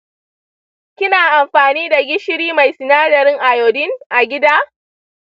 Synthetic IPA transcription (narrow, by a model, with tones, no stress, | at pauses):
kʲɪ˦naː˨ʔa˨mɸaː˨niː˦da˨ɡʲɪ˦ʃɪ˦ɾiː˦ma˨jsɪ˨naː˦dɐ˨ɾɪ˦ŋʔa˨joː˨dɪ˦ŋʔa˨ɡʲɪ˦daː˦